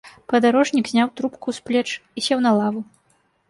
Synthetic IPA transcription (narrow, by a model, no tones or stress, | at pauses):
pɐd̪aɾɔʐnʲikzʲnʲawt̪ɾupkusplʲɛt͡ʂisʲɛwnɐlˠavu